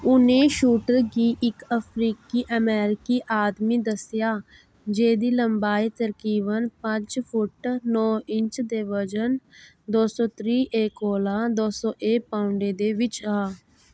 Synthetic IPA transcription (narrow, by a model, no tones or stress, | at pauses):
ʊnẽːʃuːʈəɾɡiːʔɪkəpʰɾiːkiːʔəmɛːɾɪkiːʔaːd̪miːd̪əsjaː | d͡ʒeːd̪iːləmbaːiːt̪əɾkiːʋənpət͡ʃpʰʊʈnɔːɪɲt͡ʃd̪eːʋəd͡ʒən | d̪oːsɔ̃ːt̪ɾiːʔeːkoːlaːd̪oːsɔːʔeːpaːʊɳɖeːd̪eːʋɪt͡ʃaː